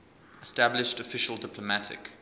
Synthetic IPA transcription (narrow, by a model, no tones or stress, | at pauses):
ɛstæblɪʃtəfɪʃəlˠdɪpʰləmætʰɪ̰k